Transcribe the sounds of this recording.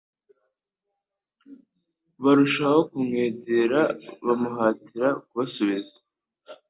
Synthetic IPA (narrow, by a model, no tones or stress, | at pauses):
βaɾuʃaho̞kumŋeːɟeɾaβamuɦaːtiɾakuβasoβizḁ